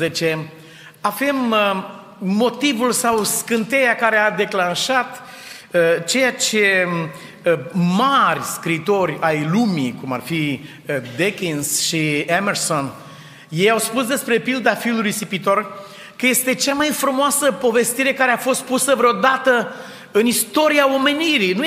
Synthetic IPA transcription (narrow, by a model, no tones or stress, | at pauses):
zet͡ʃe | ave̞m | o̞t̪ivulsawskɨnt̪e̞jakaɾe̞ad̪e̞klanʃat̪ | t͡ʃe̞jat͡ʃe̞ | marʲskɾiːt̪o̞rʲajlumikuma̰rfi | d̪ekinsʃiamerso̞n | je̞jawspusd̪e̞spɾe̞pild̪afilulujsipit̪o̞r | kəje̞st̪e̞t͡ʃamajfɾumoasəpo̞ve̞st̪iɾe̞kaɾe̞afo̞st̪̚pusəvɾeod̪at̪ə | ɨnist̪o̞ɾiao̞me̞niɾinu